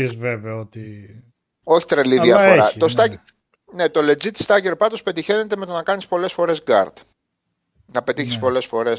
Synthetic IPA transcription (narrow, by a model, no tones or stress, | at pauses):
zveveot̪i | o̞çi̥t̪ɾeliðiɐfo̞ɾɐt̪ost̪ɐ | ne̞t̪o̞le̞d͡zit̪i̥st̪ɐceɾopɐt̪o̞spe̞t̪içe̞ne̞t̪eme̞t̪o̞nɐkɐnispo̞le̞sfo̞ɾe̞zɡɐ̰ɾd̪̥ | nɐpe̞t̪içi̥spo̞le̞sfo̞ɾe̞s